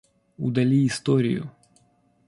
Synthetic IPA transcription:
ṵd̪ɐlʲiːst̪ɔɾʲḭjʊ̰

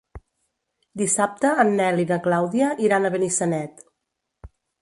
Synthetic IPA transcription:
d̪isap̚t̪əːnːɛliðəklawðiəʔiɾanəβ̞ənisənɛt̪

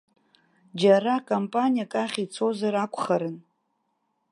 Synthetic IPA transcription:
d͡ʒarakʼompʼanijakʼaχʲit͡sʰo̞zaɾakʷʰʼχaɾɨn

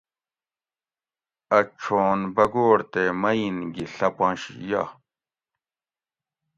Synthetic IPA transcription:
ɐt͡ɕʰoːnbɐɡoːɽt̪emɐinɡiɬɐpɐ̃ːɕḭja̰

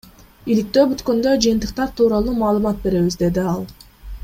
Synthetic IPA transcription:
ilik̚t̪ø̞ːbyt̪kø̞nd̪ø̞d͡ʒɯjɨnt̪ɯqt̪ɑɾt̪ʰuːɾɑlˠuːmɑːlˠɯmɑt̪̚be̞ɾe̞βizd̪e̞d̪iɑlˠ

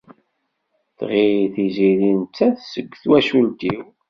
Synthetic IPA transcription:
θʁiθiziɾint͡s̪ːæθsəɡʷːθwæʃult̪iw

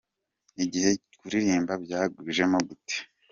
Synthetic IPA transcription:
niɟihe̞kuɾiɾiːmbabjaːɡwiʒe̞moɡute̥

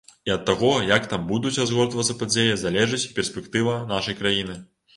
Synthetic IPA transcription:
iɐt̪ːaɣɔjɐkt̪ambud̪ut͡sʲɾazɣɔrt̪vɐt̪sɐpad͡zʲejɐzalʲɛʐɨt͡sʲpʲɛrsʲpʲɛkt̪ɨvɐnaʂɐjkɾajinɨ

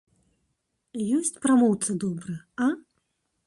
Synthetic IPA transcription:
jɔsʲt͡sʲpɾamɔwt̪sɨd̪ɔbɾɨjɐ | a

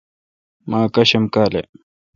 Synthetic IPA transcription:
maːkɐɕɐmkaːlḛ

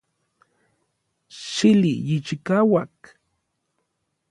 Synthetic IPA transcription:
ʃilijit͡ʃikawak

